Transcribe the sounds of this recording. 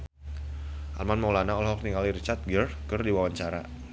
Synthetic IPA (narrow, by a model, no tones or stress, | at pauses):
ʔa̰lmanmaulanaɔlɦɔk̚nikaliɾit͡ʃart̪̚ɡərkərdiwawaɲt͡ʃaɾa̰